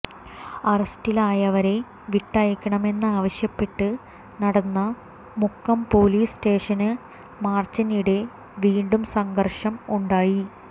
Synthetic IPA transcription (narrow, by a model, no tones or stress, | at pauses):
ɐrɐstilaːjɐʋɐɾe̞ | ʋiʈːɐjɐkʲːɐɳɐme̞nːɨaːʋɐɕjɐpːe̞ʈːɨ | nɐɽɐnːɐ | mukːɐmpo̞ːliːste̞ːʂɐnɨ | maːrt͡ɕːɐniɽe̞ | ʋiːɳɖumsɐŋɡɐrʂɐmuɳɖaːji